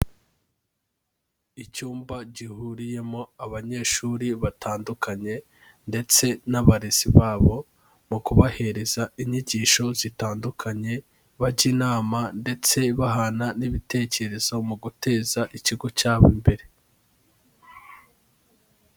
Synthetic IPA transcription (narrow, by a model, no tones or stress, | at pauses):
icuːmbaɟihuːɾije̞mo̞aβaɲe̞ːʃuːɾiβatʰaːndukaɲe̞ | nde̞t͡se̞naβaɾeziβaːβo̞ | mukuβahe̞ɾe̞zaiɲiɟiːʃo̞zitaːndukʰaɲe̞ | βaɟiːnaːmande̞t͡se̞βaɦananiβite̞ːce̞ɾe̞zo̞muɡute̞ːzaʔiciɡo̞caːβombe̞ɾe̞